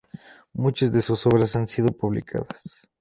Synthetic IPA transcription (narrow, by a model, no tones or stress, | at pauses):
mut͡ʃazðesuso̞βɾas̬ansiðo̞puβlḭkʰa̰ðas